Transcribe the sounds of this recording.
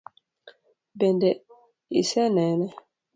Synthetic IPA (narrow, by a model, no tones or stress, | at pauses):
bɛndɛ | ḭsɛnɛnɛ